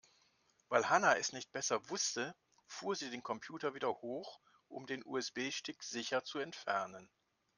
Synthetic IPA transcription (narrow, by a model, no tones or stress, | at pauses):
vaɪlhanaɛsnɪçt̚b̥ɛsɐvʊstə | fuːɐziːdeːnkʰɔmpʰj̥uːtɐviːdɐhoːx | ʔʊ̰mdeːnʔṵːɛsb̥eːʃtɪkz̥ɪçɐt͡suɛntfɛɐnən